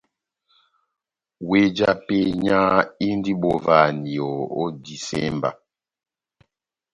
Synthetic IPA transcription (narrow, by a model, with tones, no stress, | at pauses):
we˦d͡ʒa˦pe˦ɲa˦i˦n˦di˦bɔ˨va˦˨ni˨ɔ˨ɔ̰˦di˨sɛ̰˦mba̰˨